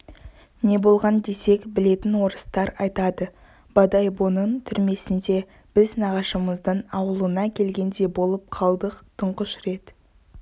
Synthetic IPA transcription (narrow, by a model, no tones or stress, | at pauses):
ne̞bo̞lˠʁɑnd̪e̞se̞kbɪle̞t̪ɪnwo̞ɾəst̪ɑɾɑjt̪ɑd̪ə | b̥ɑd̪ɑjbo̞nənt̪ʰʏɾme̞sɪnd̪e̞ | b̥ɪznɑʁɑʃəməzd̪ənɑwəlˠənɑkʲʰe̞lɡʲe̞nd̪e̞bo̞lˠəp̚qʰɑlˠd̪əqt̪ʰəɴqəʃɾe̞t̪